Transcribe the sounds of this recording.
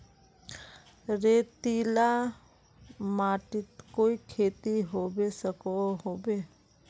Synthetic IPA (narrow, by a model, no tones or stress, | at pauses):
ɾeːt̪ila | maːʈɪt̪koːikʰeːt̪iɦoːbesəkoɦoːbe